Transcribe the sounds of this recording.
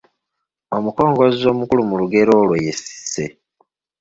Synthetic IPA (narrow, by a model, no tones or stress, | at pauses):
omuko̞ːŋɡo̞zizo̞ːmukulumuluɡe̞ɾo̞ːlwejesi̥se̞̰